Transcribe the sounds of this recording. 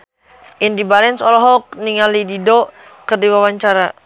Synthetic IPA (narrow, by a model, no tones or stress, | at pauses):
ʔindibaɾɛnsɔlɔɦɔk̚niŋalididɔ | kərdiwawaɲt͡ʃaɾa